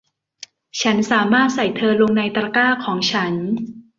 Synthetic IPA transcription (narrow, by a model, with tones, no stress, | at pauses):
t͡ɕʰa˦˥nsaː˩˦maː˥˩t̪̚sa˨˩jt̪ʰɤː˧lo˧ŋna˧jt̪ɾa˧kaː˥˩kʰɔː˩˦ŋt͡ɕʰa˦˥n